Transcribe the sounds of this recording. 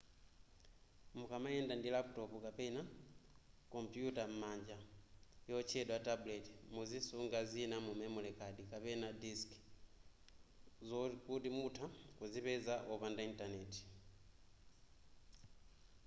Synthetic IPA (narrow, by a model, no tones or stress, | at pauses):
mukamaɛndandilaputɔpukapɛna | kɔmpjutam̩maɲd͡ʒajɔt͡ʃɛɗwatabulɛti̥muzisuŋɡazinamumɛmulɛkadikapɛnadisk | zkutimutʰakuzipɛzaʔɔpandaintanɛti̥